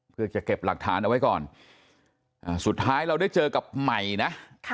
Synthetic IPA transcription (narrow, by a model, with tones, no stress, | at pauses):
pʰɯ˧ət͡ɕa˨˩ke˨˩p̚la˨˩k̚t̪ʰaː˩˦˥nʔa˧wa˦˥jkɔː˨˩n | ʔaː˨˩su˨˩t̪ʰːaː˦˥jɾa˧wdaː˥˩jt͡ɕɤː˧ka˨˩p̚ma˨˩jna˦˥